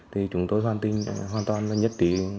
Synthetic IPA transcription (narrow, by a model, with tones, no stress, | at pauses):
t̪ʰi˨˩t͡ɕʊ˨˦ŋ͡mt̪o˧jɦwaː˧nt̪i˧ŋɦwaː˧nt̪waː˧˩nla˨˧˩ɲə˦˥t̚ɗḭ˧˨˥